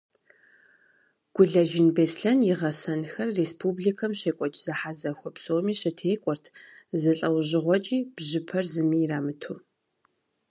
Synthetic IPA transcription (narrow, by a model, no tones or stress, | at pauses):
ɡ̥ʷʊɮɐʒɪnbeːsɬɐnjɪʁɐsɐnxɐrːespʰubɮikʰɐmɕeːkʷʼɔt͡ʃʼzɨħazɐxʷɔpsoːmiːɕɪtʰeːkʷʼɔrtʰzɨɬʼɐwʑɪʁʷɔt͡ʃʼiːb̥ʑɪpʰɐrzɨmiːjraːmɨtʰuː